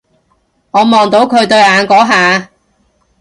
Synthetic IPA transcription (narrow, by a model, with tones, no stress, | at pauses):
ŋɔː˨˧mɔː˨ŋt̪o˨˥wkʰɵ˨˧ɥt̪ɵ˧ɥaː˨˧nkɔː˨˥ɦaː˨